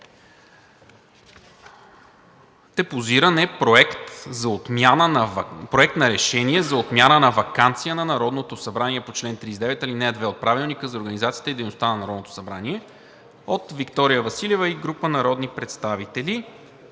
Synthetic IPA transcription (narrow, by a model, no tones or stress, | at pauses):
t̪ɛpoziɾənɛpɾoɛkt̪zɐot̪mjanəpɾoɛkt̪nɐɾɛʃɛniɛzɐot̪mʲjanənɐvɐkant̪sijənɐnɐɾɔd̪not̪osɐbɾaniɛpot͡ʃlɛnt̪ɾizd̪ɛvɛt̪ɐlinɛd̪vɛot̪̚pɾavilˠnikəzɐoɾɡənizat̪siə̥t̪əid̪ɛjnost̪anɐnɐɾɔd̪not̪o̥sɐbɾaniɛ | ot̪vikt̪ɔɾijəvɐsilʲɛvəiɡɾupənɐɾɔd̪nipɾɛt̪st̪avit̪ɛli